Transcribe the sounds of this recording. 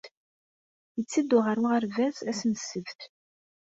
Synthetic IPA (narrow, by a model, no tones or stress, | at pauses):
jət͡sːid̪ʊʁəɾuʁəɾvæsæsnəsːəvt̪